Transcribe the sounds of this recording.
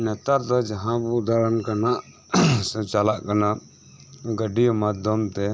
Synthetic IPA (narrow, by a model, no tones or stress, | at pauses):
nɛt̪aɾt̪ad͡ʒəɦãbʊd̪aɾənkanaʔ | st͡ʃalaʔkəna | ɡəɖijmad̪ʱjəmt̪ɛ